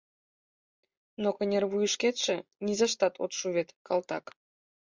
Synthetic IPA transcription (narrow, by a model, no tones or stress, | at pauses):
nokə̆nʲerβujəʃkʲet̪ʃĕnʲizɑʃt̪ɑt̪ʰo̰t̪ʃuβʲet̪kɑlˠt̪ɑ̰k